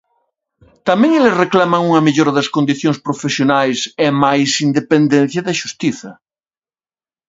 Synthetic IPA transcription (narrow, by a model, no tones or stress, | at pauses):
t̪amɛ̃ŋelesreklamɐŋuŋɐmeʎoɾɐðɐskond̪iθjoŋspɾofesjonajsɛmajsind̪epend̪ẽn̟θjɐðɐʃust̪iθɐ